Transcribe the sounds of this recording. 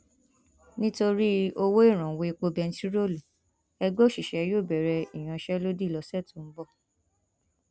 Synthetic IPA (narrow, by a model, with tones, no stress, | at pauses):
nĩ˦to˧ɾi˦o˧wo˦i˦˨ɾ̃ã˨we˨˧i˧k͡po˧bɛ˧n̩˦ti˦ɾo˦˨lu˨ | ɛ˧ɡ͡bo˦˨ʃi˨ʃɛ˨joː˦˨bɛ˨ɾɛ˧i˨j̃ã˧ʃɛ˦lo˦di˦˨lɔ˧sɛ˦˨to˨m̩˦bɔ˦˨